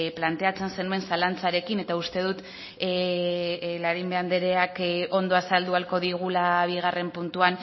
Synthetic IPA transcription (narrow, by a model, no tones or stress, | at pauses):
plant̪e̞at͡se̞nse̞nue̞nsalant͡saɾe̞kine̞t̪aust̪e̞ð̞ut̪ | laɾimbe̞and̪e̞ɾe̞ako̞nd̪o̞asald̪ualko̞ðiɣ̞ulaβ̞iɣ̞are̞mpunt̪uan